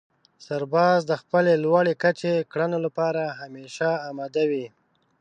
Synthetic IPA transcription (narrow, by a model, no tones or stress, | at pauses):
saɾbɑzd̪əxpəlelwɑɽekat͡ʃekɽanolapɑɾaɦameʃaːmɑd̪awi